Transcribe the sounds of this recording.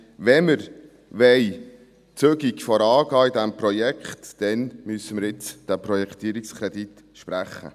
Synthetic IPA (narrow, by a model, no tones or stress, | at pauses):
vɛməɾ | ʋɛɪ | t͡søɡikfɔɾɑːɡ̥ɑːid̪æmpɾɔjɛkχtːɛnmysəməɾɪt͡sd̥æpɾɔjɛkt̪iːɾikskʰɾed̪it̪ | ʃpɾæχːə̰